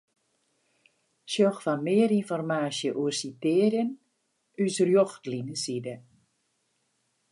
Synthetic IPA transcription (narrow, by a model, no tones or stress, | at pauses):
sjɔxfanmɪəɾinfɔrmaːsjəʔuərsitɪːrjən | ysrjoxtlinəsidə